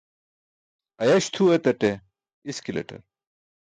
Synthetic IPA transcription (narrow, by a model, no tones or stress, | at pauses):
ɐjɐɕt̪ʰuet̪ɐʈe | iskilɐ̰ʈɐ̰ɾ